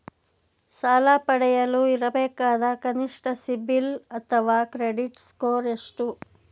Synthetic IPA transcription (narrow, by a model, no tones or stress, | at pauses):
saːlaːpɐɽɛjɐluiɾɐbɛːkaːd̪ɐkɐniʂʈɐsibilɐt̪ʰɐʋaːkɾeɖiʈskoːɾeʂʈu